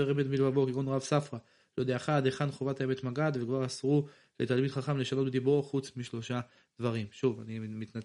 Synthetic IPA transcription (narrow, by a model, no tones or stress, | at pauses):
eʁemet̪milvavokiʁonʁavsafʁa | lod̪eaχad̪eχanχovat̪aeme̞t̪maɡad̪vekvaʁasʁu | let̪almit̪χaχamleʃanotbed̪iboχut͡smiʃlo̞ʃa | d̪̥vaʁimʃuva̰nimit̪na